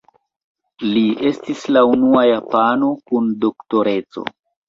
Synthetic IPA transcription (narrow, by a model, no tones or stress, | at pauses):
lie̞stislaunuajapano̞kundo̞kto̞ɾe̞t͡so̞̰